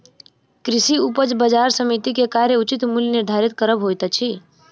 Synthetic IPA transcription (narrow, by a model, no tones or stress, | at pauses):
kɾisiupəd͡ʒbəd͡ʒaɾsəmit̪ikekaɾjeut͡ʃit̪mulniɾd̪ʱaɾit̪kəɾəbɦojt̪ət͡ʃʰi